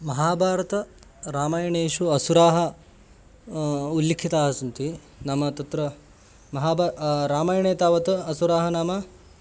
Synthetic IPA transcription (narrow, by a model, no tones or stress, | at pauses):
mɐɦaːbʱaːɾɐt̪ɐɾaːmaːjɐɳeːʃuɐsuɾaːɦɐ | ulːikʰːit̪aːɦɐsɐnt̪i | nɐmɐt̪ɐt̪ɾɐ | mɐɦaːbaɾaːmaːjɐɳeːt̪aːʋɐt̪ɐɐsuɾaːɦɐnaːmɐ